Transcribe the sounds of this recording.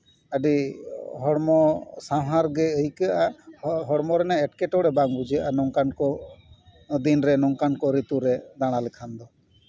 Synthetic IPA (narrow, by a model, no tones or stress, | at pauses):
aɖiɦɔɽmɔsaɦaɾɡɛəjkaʔaɦɔɽmɔɾɛnaɛʈ̚kɛʈɔɽɛbaŋbud͡ʒaʔanɔŋkankɔ | d̪inɾɛnɔŋkankɔɾit̪uɾɛd̪aɽ̃alɛkʰand̪ɔ